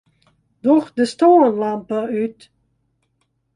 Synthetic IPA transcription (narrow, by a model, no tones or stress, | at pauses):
dɔxdəstoːənlampəyt